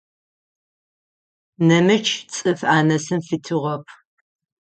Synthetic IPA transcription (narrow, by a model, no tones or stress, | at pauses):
nɐmɨt͡ʃʰt͡sʼɨfaːnɐsɨmfɨtʰɨʁɐpʰ